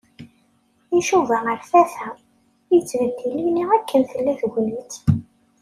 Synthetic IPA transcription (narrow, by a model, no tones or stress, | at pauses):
iʃuvæəɾθæθæ | jət͡sːvəd̪ːiliniʁækːənθəlːæθɡnət̪